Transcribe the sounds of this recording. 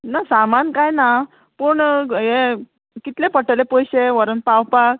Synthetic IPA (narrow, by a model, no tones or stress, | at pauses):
nasamankajna | pəɳɦe | kit̪lepəʈəlepɔjɕeʋəɾənpawpak̚